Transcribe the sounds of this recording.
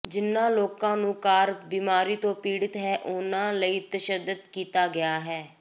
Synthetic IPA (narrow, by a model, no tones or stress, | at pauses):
d͡ʒɪnːãːloːkãːnũːkaːɾbiːmaːɾiːt̪õːpiːɽɪt̪ɦɛːʔʊnãːləiːt̪əʃəd̪əd̪kiːt̪aːɡɪaːɦɛː